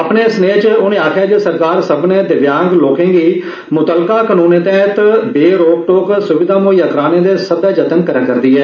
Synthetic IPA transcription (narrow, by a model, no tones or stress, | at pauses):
əpneːsneːt͡ʃʊnẽːaːkʰjaːd͡ʒeːsəɾkaːɾsəbnẽːd̪ɪʋjaːŋɡloːkẽːɡiː | mʊt̪əlkaːkənuːnẽːt̪ẽːt̪beːɾoːk̚ʈoːksʊʋɪd̪aːmoːiəkɾaːnẽːd̪eːsəd̪aːd͡ʒət̪ənkəɾəkəɾd̪iːɛː